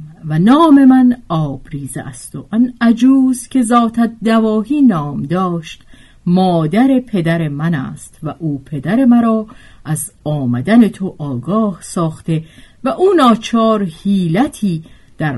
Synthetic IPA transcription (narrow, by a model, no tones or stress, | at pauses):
vænɒːme̞mænɒːb̥ɾiːzḛʔæst̪oʔænæd͡ʒuːzkʲʰe̞zɒːt̪ʰæt̪̚d̪ævɒːɦiːnɒːmd̪ɒːʃt̪ | mɒːd̪æɾe̞pʰe̞d̪æɾemænæ̰ːst̪væʔuːpʰe̞d̪æɾe̞mæɾɒːʔæz | ɒːmæd̪æne̞t̪ʰoʔɒːɡɒːhsɒːχt̪e̞væʔuːnɒːt͡ʃʰɒːɾhiːlæt̪ʰiː | d̪̥æɾ